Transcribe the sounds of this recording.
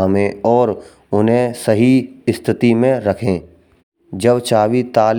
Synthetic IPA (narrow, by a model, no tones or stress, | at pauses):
amẽɔːɾ | ʊnɦẽsəɦiɪst̪ʰɪt̪imẽɾɐkʰẽ | d͡ʒəbt͡ʃaːʋit̪aːl